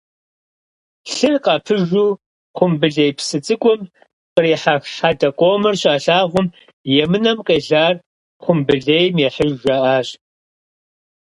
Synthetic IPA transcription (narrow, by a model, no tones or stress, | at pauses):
ɬɨrqɑpʰɨʒuː | qʷʊmbɨɮejpsɨt͡sʼɨkʷʼʊm | qəriːħaxħadɐqʷʼoːmɐrɕʼaːɬaːʁʷʊm | jɛmɨnɐmqʼeːɮaːr | χʷʊmbɨɮejmjɛħəʒʒɐʔaːɕ